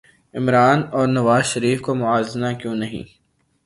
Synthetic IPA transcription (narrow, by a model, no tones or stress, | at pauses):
ɪmɾaːnɔːɾnɐʋaːzʃɐɾiːfkomʊaːzɪnakjõːnɐɦḭ̃ː